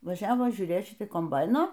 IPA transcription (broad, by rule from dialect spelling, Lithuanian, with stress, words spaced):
ʋɐˈʒʲæːʋoː ʒʲuːˈrʲeːt ˈʃʲɪtʲɪ koːmˈbɐɪnoː